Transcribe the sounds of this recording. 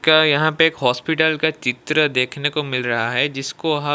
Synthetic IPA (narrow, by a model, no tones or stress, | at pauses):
kajɐɦãpeeːkɦɔːspɪʈəlkat͡ʃɪt̪ɾəd̪eːkʰnekomɪlɾɐɦaɦɛd͡ʒɪskoɦɐ